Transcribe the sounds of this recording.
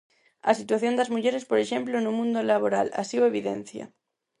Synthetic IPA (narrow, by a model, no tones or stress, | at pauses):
a̰sit̪waθjo̞nd̪azmuʝeɾespoɾeʃẽ̞mplonũmũnd̪olaβoɾala̰sioe̞β̞iðḛn̟θja̰